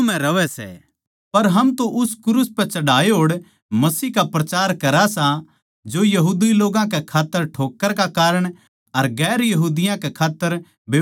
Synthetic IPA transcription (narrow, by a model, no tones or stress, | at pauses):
mɛ̃ɾɐʋɛsɛ̰ː | pɐɾɦɐmt̪õʔʊskʊɾuːspɛ̃t͡ʃɐɽaːeɦoːɽ | mɐsiːɦkapɾɐt͡ʃaːɾkɐɾasa | d͡ʒojɐɦuːd̪iloːɡãk̬ekʰaːt̪ːəɾʈʰoːkːəɾkakaːɾəɽ̃ | ɐɾɡɛːɾjɐɦuːd̪ɪjãkekʰaːt̪ːəɾ | beː